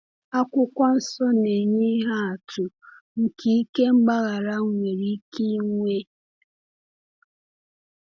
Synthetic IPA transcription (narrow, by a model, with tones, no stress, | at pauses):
a˦kʷʊ˦kʷa˦n̩˦sɔ˦ne˨ɲe˦ɦa˦a˨tʊ˨ | ŋ̩˨ki˨i˦ke˦ŋ͡m̩˦ɡ͡ba˦ɣa˨ɾa˦ŋŋʷe˨ɾi˦ki˦ŋʷe˦